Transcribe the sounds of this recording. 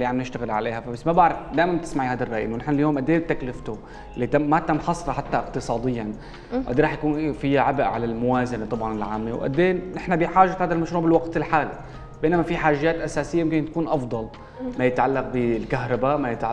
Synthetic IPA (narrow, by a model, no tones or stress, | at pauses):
lːiʕamnɪʃt̪aɣɪlʕa̰leːhafabasːmabaʕɾˤɑfd̪aːʔɪmant̪ɪ̥smaʕihaːd̪arˤːɑːʔjɪ̰nwnɪħnaljoːmʔad̪ːeːb̚t̪aklɪft̪u | lːit̪amat̪amħɑsˤɾɑħat̪ːaʔɪqt̪ɨsˤɑːd̪ˤɨjːan | ʔa̰d̪eːɾˤɑːħjakuːnfɪjːaʕabʔʕa̰lalmʊwaːzanet̪ˤɑbʕɑnɪlʕaːmːewʔa̰d̪ːeːnʔɪħnabɪħaːʒahaːd̪almaʃɾuːʕbɪlwaɡt̪ɪlħaːli | beːnamafiħaːʒːaːt̪ʔasaːsɪjːajɪmkɪnt̪ḁkuːnʔɑfd̪ˤɑl | majɪt̪ʕalːaq̚bɪlkaɦɾˤɑbaʔmajɪt̪ʕa